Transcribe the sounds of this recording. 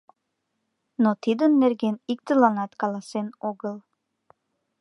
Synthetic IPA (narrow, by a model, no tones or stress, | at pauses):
not̪id̪ənːerɣenik̚t̪əlɑnɑt̪kɑlɑsenoɣəl